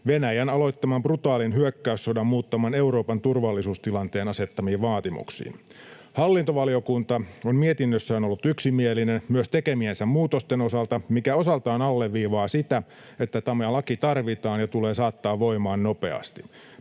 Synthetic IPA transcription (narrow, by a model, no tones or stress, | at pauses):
ʋenæjænɑlo̞it̪ːɑmɑmprut̪ɑːlinɦyøkːæyssodɑmːmuːt̪ːɑmɑne̞uɾo̞ːpɑnt̪urʋɑlːisuːst̪ilɑnt̪eːnɑse̞t̪ːɑmiːʋɑːt̪imṵksḭːn | hɑlːint̪oʋɑlio̞kunt̪ɑommiet̪inːøsːæonolːut̪yksimielinenmyøst̪ekemiensæmmuːt̪ost̪eno̞sɑlt̪ɑmikæo̞sɑlt̪ɑːnɑlːeʋʋiːʋɑːsit̪æ | et̪ːæt̪ɑmelɑkit̪ɑrʋit̪ɑːnjɑt̪uleːsɑːt̪ːɑːʋʋoimɑːnno̞pḛɑ̰st̪i